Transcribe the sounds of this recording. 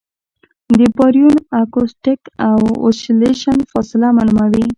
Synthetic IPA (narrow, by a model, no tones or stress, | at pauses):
d̪əpɔɾijunakosʈɪkawo̰ʃileʃanfɔsɪlamalumawi